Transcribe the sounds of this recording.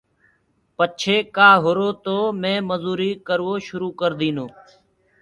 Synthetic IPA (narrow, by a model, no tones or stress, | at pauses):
pət͡ʃʰeːkaːɦʊɾoːt̪oːmẽːməzuːɾiːkəɾʋoːʃʊɾuːkəɾd̪ĩːnoː